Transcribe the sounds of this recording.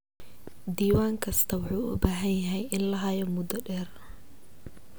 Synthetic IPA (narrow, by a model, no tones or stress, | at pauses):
d̪iːwaːŋkʰɐst̪ʰɐwɑħuːʊ̰baːɦɐnjɐɦɛjɪnlɐɦɐjɔmʊd̪ɔɖɛːr